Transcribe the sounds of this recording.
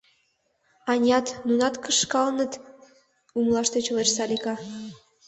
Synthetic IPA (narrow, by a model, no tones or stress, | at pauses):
ɑnʲɑt̪nunɑt̪kəʃkɑlnət̪ | umlˠɑʃt̪et͡ɕleʃsɑlikɑ